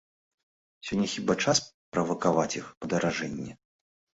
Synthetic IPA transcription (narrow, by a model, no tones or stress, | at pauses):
sʲɔnʲːɛxʲibat͡ʂaspɾɐvɐkavat͡sʲixpɐd̪ɐɾaʐɛnʲːɛ